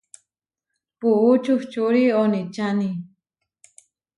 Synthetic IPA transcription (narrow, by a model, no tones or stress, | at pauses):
puut͡ʃuht͡ʃuɾionit͡ʃani